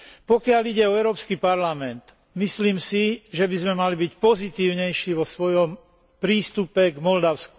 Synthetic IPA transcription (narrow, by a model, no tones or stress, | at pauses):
pɔkɪaliɟɛɔɛʊɾɔːpskipaɾlamɛnt̪ | misliːmsiʒɛbizmɛmalibicpɔzit̪iːʊɲɛjʃiʋɔsʋɔjɔm | pɾiːst̪upɛɡmɔld̪aʊsku̥